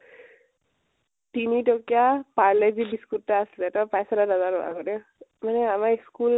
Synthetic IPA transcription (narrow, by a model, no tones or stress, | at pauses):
tinitɔkijapaɹlɛzibiskuttaaslɛtɔpajsaɾadazaɾɔa̰ɡɔdɛ | manɛamaiskul